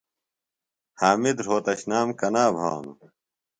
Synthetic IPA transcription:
haːmid̪ɾɦoːt̪ɐɕnaːmkɐnaːbʱa̰ːnṵ

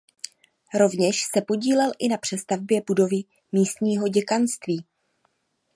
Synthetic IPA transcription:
ɾo̞vɲɛʃsɛpo̞ɟiːlɛlʔɪnapr̝̥ɛst̪avbjɛbudo̞vɪ | miːst̪ɲiːɦo̞ɟɛkanst̪viː

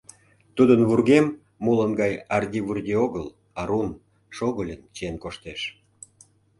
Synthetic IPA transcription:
t̪ud̪ənβurɣemː | ulənɡɑjɑrdʲiβurdʲioɣəl | ɑɾun | ʃoɣəlʲənt͡ɕenkoʃt̪eʃ

